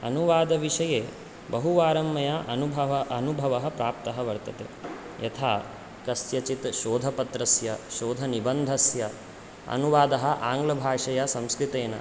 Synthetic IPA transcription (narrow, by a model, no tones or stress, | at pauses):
ɐ̰nuʋaːd̪ɐʋiʂɐjeː | bɐɦuʋaːɾɐmːɐjɐʔɐnubʱɐɐɐnubʱɐʋɐɦɐpɾaːp̚t̪ɐɦɐʋɐɾt̪ɐt̪ḛ | jɐ̰t̪ʰaː | kɐsjɐt͡ʃit̪ʃoːd̪ʱɐpɐt̪ɾɐsjɐʃoːd̪ʱɐnibɐnd̪ʱɐsjɐ | ɐ̰nuʋaːd̪ɐɦɐʔaːŋɡlɐbʱaːʂɐjɐsɐmskɾit̪eːnɐ̰